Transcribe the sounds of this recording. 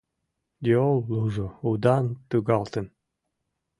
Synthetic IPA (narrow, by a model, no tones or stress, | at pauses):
d̪ʲeolˠːuʒoud̪ɑnt̪ɨɡɑlˠt̪ə̆n